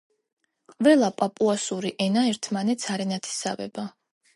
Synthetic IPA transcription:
qʼvɛlˠapʼapʼuasuɾiʔɛnaɛɾt̪ʰmanɛt̪sʰaɾɛnat̪ʰi̥sa̰vɛ̰ba

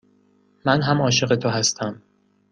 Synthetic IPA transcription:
mænɦæmɒːʃe̞ɣe̞t̪ʰoɦæst̪ʰæm

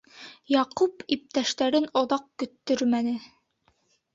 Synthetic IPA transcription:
jɑqupip̚t̪æʃt̪æɾɘnoðɑq̚kɵ̆t̪ːɵɾmænɘ

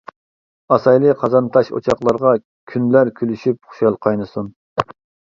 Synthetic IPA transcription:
ɑsɑjlˠɨqʰɑzɑnt̪ʰɑʃo̰t͡ʃʰɑχlˠɑɾʁɑ | kʲʰynlæɾkʲʰylyʃyp̚χʊ̥ʃɑlˠqʰɑjnɨsun

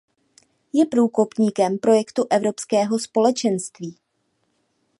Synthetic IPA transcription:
jɛpɾuːko̞pɲiːkɛmpɾo̞jɛkt̪uʔɛvɾo̞pskɛːɦo̞spo̞lɛt͡ʃɛnst̪viː

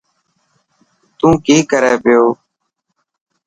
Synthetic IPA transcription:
t̪ũːkiːkəɾeːpɪjoː

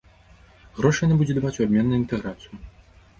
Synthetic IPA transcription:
ɣɾɔʂɨjanabud͡zʲɛd̪avat͡sʲuabʲmʲɛnːujint̪ɛɣɾat̪sɨju

